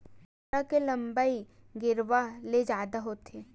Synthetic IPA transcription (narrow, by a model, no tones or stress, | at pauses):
akelɐ̃mbai | ɡɪɾʋaled͡ʒaːd̪aɦoːt̪ʰeː